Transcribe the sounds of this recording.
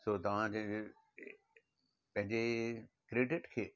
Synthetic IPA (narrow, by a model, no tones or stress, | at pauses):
soːt̪ɐʋ̤ãd͡ʑe | pɐ̃ɦɪ̃ɲd͡ʑe | kɾeːɖɪʈkʰeː